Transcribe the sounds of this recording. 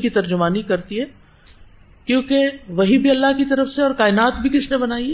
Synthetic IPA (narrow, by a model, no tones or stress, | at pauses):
kit̪ɐɾd͡ʒʊmaːnikɐɾt̪iɦɛː | kjõːkeʋɐɦibʱiɐlːaɦkit̪ɐɾəfseɔːɾkaːɪnaːt̪bʱikɪsnebɐnaːiɛ